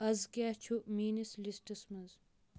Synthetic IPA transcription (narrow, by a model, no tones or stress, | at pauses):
ɐzkjat͡ʃʰumiːnislisʈɐsmɐz